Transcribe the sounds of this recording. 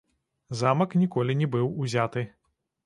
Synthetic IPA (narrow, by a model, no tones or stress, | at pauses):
zamɐknʲikɔlʲinʲɛbɨwuzʲat̪ɨ